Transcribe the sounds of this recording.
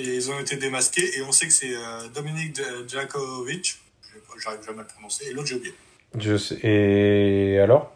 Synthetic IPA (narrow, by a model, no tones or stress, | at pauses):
eilzɔ̃et̪ed̪emaskʲeeɔ̃sɛkə̥sɛød̪ɔminik̚ʒakovit͡ʃ | ʒɛʒaʁivʒamɛləpχɔnɔ̃seːlot̪ʒəvɛ | ʒəsɛe | alɔʁ